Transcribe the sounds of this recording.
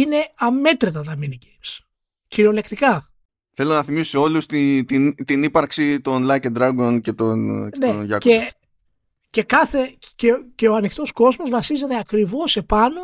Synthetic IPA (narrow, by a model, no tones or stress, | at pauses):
ine̞ɐme̞t̪ɾet̪ɐt̪ɐminices | ciɾo̞le̞kt̪ikɐ | θe̞lonɐθimisseolust̪it̪int̪inipɐɾksit̪o̞nlɐcend̪ɾɐɡo̞nce̞t̪onne̞nʝɐke | ce̞kɐθe̞ceceoɐnixt̪o̞sko̞zmo̞zvɐsize̞t̪e̞ɐkɾivo̞se̞pɐno̞